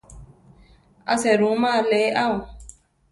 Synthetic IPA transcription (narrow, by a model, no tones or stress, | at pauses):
a̰sɛɾũmaleʔaũ